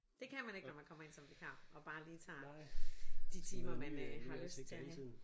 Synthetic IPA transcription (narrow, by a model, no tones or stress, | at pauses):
d̥e̝kʰænmæne̝ɡ̥nɒmænkʰɒ̽mɐe̝nsɒ̽md̥ikʰɑ̈ʔɒ̽b̥ɑ̈ːliːt͡sʰɑ̰̈ː | d̥it͡sʰiːmmɐmænhɑ̈løsd̥̚t͡sʰe